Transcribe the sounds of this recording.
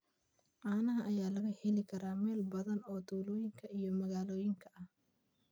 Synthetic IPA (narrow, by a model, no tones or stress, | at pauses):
ʔaːnɐɦɐʔɐjaːlɐɣɐhɛlɪkʰɐɾaːmɛːlbɐðɐnɔːt̪ʰuːlɔːjɪŋkʰɐʔijɔmɐɣaːlɔːjɪŋkʰɐʔɐh